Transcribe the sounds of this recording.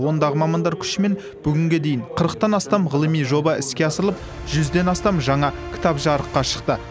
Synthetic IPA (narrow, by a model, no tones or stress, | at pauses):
wo̞nd̪ɑʁəmɑmɑnd̪ɑɾkʲʰʏ̥ʃɪme̞n | b̥ʏɡʲɪŋɡʲe̞d̪e̞jɪɴqʰəɾəqt̪ɑnɑst̪ɑmʁəlˠəmijʒo̞bɑʔɪskʲe̞ɑsəɾəlˠəp̚ | ʒ̥ʏzd̪e̞nɑst̪ɑmʒɑɴɑkʲʰɪ̥t̪ɑpʒɑɾəqːɑʃə̥qt̪ə